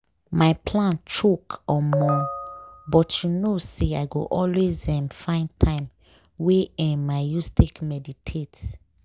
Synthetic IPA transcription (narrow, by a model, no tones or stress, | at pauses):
maɪpʰlãnt͡ʃʰɹukɔmɔ | bɔtʰjunoseaɪɡo̰ʔɔlwezɛ̃mfãɪ̃ntʰãɪ̃m | weɛ̃maɪjustekmɛditʰet